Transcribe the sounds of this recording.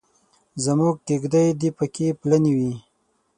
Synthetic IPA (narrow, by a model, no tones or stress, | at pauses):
zəmuɡ̚ʈiɡd̪ajd̪ipəkeplaniwi